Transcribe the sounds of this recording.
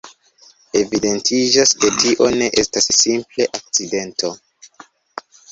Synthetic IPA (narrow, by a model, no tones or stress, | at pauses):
e̞vide̞ntid͡ʒaske̞tʰiʔo̞ne̞ʔe̞stasːimple̞ʔak̚t͡side̞ntʰo̞